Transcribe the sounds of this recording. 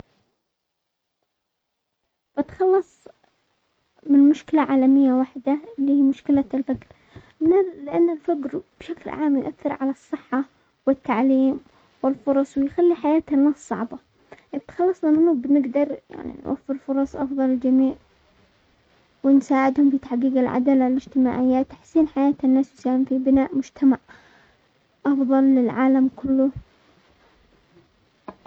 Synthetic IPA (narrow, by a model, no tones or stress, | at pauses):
b̥ɪt̪xɑlːɑsˤ | mɪnmʊʃkɪlaʕaːlamɪjːawaħd̪alːihiːmʊʃkɪlalfaɡɾ | nalɪʔanːɪlfaɡɾb̥ʃaklʕaːmjʊʔaθːɪɾʕalɑsˤːɨħːɑ | wɪt̪ːaʕliːm | wɪlfʊɾˤɑsˤwɪjxalːiħajaːt̪anːaːsˤɑ̰ʕbɑ | ɪb̚t̪xɑlːɑsˤnamɪnubɪnɪɡd̪ɑɾˤja̰ʕnḭnwʔa̰fːɪɾlfʊɾˤɑsˤʔɑfðˤɑlɪld͡ʒamiːʕ | wɪnsaːʕɪd̪hʊmfit̪aħɡiːɡalʕa̰d̪aːlalɪd͡ʒt̪ɪma̰ːʕɪjːat̪ḁħsiːnħajaːt̪ɪnːaːsjsaːhɪmfibɪnaːʔmʊd͡ʒt̪ʰamaʕ | ʔɑfðˤɑlːɪlʕaːlamkʊlːʊ